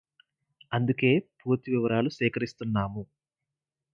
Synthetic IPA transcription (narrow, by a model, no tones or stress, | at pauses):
ɐnd̪uke̞ːpuːt̪iʋiʋɐɾaːlusɛːkɐɾist̪unːaːmu